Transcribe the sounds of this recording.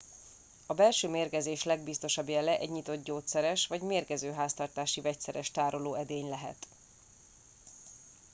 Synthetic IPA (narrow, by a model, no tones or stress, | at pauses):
ɒbɛlʃøːmeːrkɛzeːʃlɛɡbist̪o̞ʃɒbjɛlɛʔɛ̰ɟɲit̪o̞t̪ɟoːt̪sɛɾɛʃʋɒɟmeːrkɛzøːɦaːst̪ɒrt̪aːʃivɛc̚t̪sɛɾɛʃt̪aːɾoloːɛd̪eːɲlɛɦɛ̰t̪